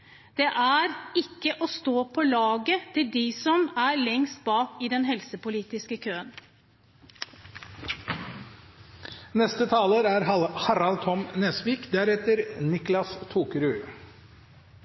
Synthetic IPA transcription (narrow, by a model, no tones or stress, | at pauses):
d̪̥ɛʔæɾɪkːəʔɔst̪oːpʰɔlɑːɡət̪ʰɪld̪ɪsɔmæɾlɛŋst̪̚bɑːkɪd̪ɛnɦɛlsəpʊliːt̪ɪskəkʰøːən | nɛst̪ət̪ʰɑːləːɾæɾhɑɾɑlt̪ʰɔmnɛːsʋiːkd̪æɾɛt̪əɾnɪklɑst̪ʰuːkəɾʉː